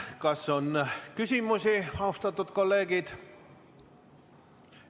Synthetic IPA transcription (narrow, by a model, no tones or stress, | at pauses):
kɑso̞nkysʲimusʲiɑust̪ɑt̪ːˑud̪̥ko̞lːe̞ːɡ̥id̪̥